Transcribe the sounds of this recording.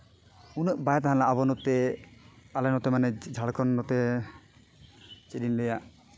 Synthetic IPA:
unɛʔbajt̪aɦãlaʔabɔnɔt̪ɛ | alanɔt̪ɛmanɛd͡ʒʱaɽkɔnːɔt̪ɛ | t͡ʃedinlɛjaʔ

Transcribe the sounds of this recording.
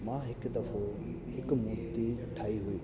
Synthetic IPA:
mãɦɪkd̪ɐfʰo | hɪkmʊt̪iʈʰaːiɦʊiː

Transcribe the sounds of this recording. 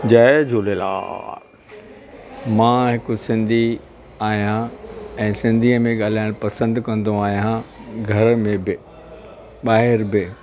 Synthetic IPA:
d͡ʑɐɛd͡ʑʱoːlela̰ː | mãːɦɪkʊsɪ̃nd̪ʱi | aːɦijãɛ̃ːsɪ̃nd̪ʱiəmẽɠaːl̤aːɪɽ̃pɐsə̃nd̪kɐ̃nd̪oaːɦijãɡʱɐɾmẽbɪ | ɓaːɦɪɾbɪ

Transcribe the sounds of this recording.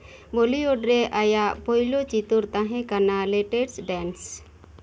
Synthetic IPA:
bɔlioɖɾɛʔajaʔpɔjlot͡ʃit̪uɾt̪ãɦɛ̃kanalɛʈɛɾsɖɛns

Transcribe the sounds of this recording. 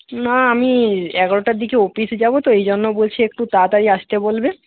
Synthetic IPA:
naamiɛɡaɾoʈaɾd̪ikeofisd͡ʑabot̪oejd͡ʑonːobolt͡ɕʰeek̚ʈut̪at̪aɾiaʃt̪ebolbe

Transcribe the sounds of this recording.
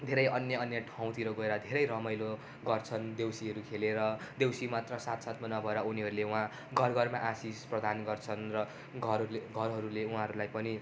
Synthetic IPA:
d̪ʱeɾʌjʌnjʌʌnjʌʈʰãw̃t̪iɾoɡʌeɾʌd̪ʱeɾʌjɾʌmʌjlo | ɡʌrt͡sʰʌnd̪ewsiʌɾukʰeleɾʌd̪ewsimat̪rʌsat̪sat̪manʌbʱʌeɾʌuniɦʌɾuleuɦã | ɡʱʌrɡʌrmaʔasisprʌd̪ʱanɡʌrt͡sʰʌnrʌ | ɡʱʌɾɡʱʌɾɦʌɾuleuɦãɦʌɾulajpʌni

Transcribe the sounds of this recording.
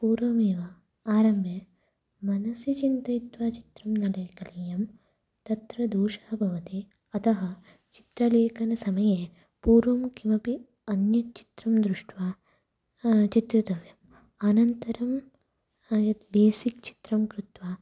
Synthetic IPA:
puːɾʋɐmeːʋɐ | aːɾɐmjɐ | mɐnɐsjɐt͡ʃint̪ɐit̪ʋaːt͡ʃi̥t̪ɾɐmnɐlɐjkɐlijɐm | t̪ɐt̪ɾɐd̪uːʂaːbʱɐʋɐt̪i | ɐt̪ʰɐɦɐ | t͡ʃi̥t̪ɾɐleːkɐnɐsɐmɐjeː | puːɾʋɐmkimɐpi | ɐnjɐt͡ʃi̥t̪ɾɐmd̪ɾuʂʈʋaː | t͡ʃit̪ɾɐd̪ɐʋjɐm | ɐnɐnt̪ɐɾɐm | jɐt̪b̪eːsikt͡ʃi̥t̪ɾɐmkɾut̪ʋaː

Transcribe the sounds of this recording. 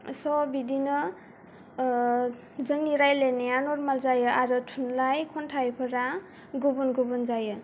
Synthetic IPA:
sɔbidinɯ | zɯŋiɾajlenejanɔɾmalzajɯaɾɯtʰunlajkʰɔntʰajpʰɯɾa | ɡubunɡubunzajɯ

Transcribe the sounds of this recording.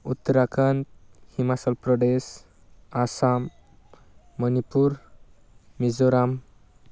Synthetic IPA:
ut̪ːəɾakʰant̪himasəlpɾɔɖes | asamː | ʌnipuɾ | mizoɾam

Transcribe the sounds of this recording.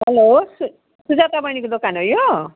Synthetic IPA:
ɦɛlosu | sud͡zat̪abəñikud̪okanojo

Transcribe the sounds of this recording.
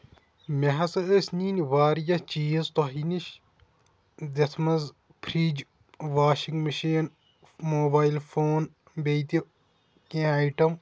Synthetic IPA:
mʲeɦɐsɨəːsʲniːnʲʋaːɾjɐt͡ʃiːzt̪oɦiniʃ | d̪ɐt̪ʰmɐz | pʰɾiːd͡ʒ | ʋaːʃiŋɡmɐʃiːn | moːbaːjlfʰoːn | beːt̪i | kẽːajʈɐm

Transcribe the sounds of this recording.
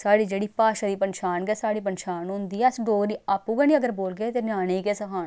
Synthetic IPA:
saːɽiːd͡ʒeːɽiːpaːʃaːd̪iːpənʃaːnɡɛːsaːɽiːpənʃaːnɦʊ̃nd̪iːɛəsɖoːɡɾiːaːpũːɡaːnĩːəɡəɾboːlɡeːt̪eːnaːneːiːkeːsəkʰaːn

